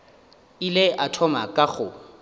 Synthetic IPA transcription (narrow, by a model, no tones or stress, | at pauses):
ileʔatʰɔmakʼaɣʊ